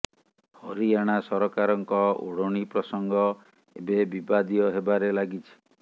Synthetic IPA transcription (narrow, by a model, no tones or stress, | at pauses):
hɔɾiaɽ̃asɔɾɔkaɾɔŋkɔṵɽɔɽ̃ipɾɔsɔŋɡɔ | ḛbebibad̪ijɔɦebaɾelaɡit͡ʃʰi̥